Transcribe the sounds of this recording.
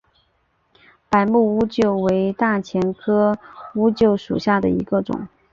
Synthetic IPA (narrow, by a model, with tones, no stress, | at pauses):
pa˨˩ɪmu˥˧u˥t͡ɕjo˥˩ʊwe˧˥ɪt̪a˥˩t͡ɕʰjɛ˧˥nkʰɤ˥u˥t͡ɕjo˥˩ʊʂṵ˨˩ɕja˥˩d̪ə˩i˧˥ɡə˧ʈ͡ʂʊ̰˨˩˦ŋ